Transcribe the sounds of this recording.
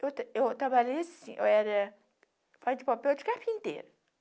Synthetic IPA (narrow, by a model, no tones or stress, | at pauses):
ewt̪ewt̪ɾabalejɐsĩʔḛwɛɾɐ | fazd͡ʒɪpapɛwd͡ʒɪkapĩnt̪ḛɾʊ